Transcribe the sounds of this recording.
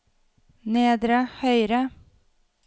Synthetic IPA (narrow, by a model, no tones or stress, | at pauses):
neːd̪ɾəhœʏɾə